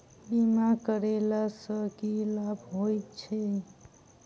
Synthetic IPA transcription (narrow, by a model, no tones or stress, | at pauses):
bimakəɾelasəkilabʱɦojt̪t͡ʃʰɛ